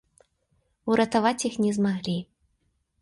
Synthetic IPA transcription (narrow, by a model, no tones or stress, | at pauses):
uɾɐt̪avat͡sʲjixnʲɛzmaɣlʲi